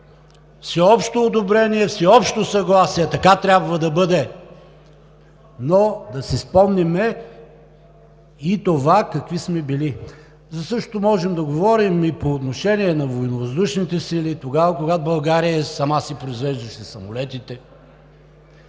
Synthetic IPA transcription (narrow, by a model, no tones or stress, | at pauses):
fsɛɔpʃt̪oːd̪obɾɛniɛfsɛɔpʃt̪osɐɡlˠasiɛt̪ɐkat̪ɾʲabvɐd̪ɐbɤd̪ɛ | nod̪ɐsispɔmnimɛ | it̪ovakɐkvismɛbili | zɐsɤʃtt̪omɔʒɛmd̪ɐɡovɔɾimipoːt̪noʃɛniɛnɐvojnovɐzd̪uʃnit̪ɛsilit̪oɡavəkoɡat̪obɐlˠɡaɾijəsɐmasipɾoizvɛʒd̪ɐʃɛsɐmolɛt̪it̪ɛ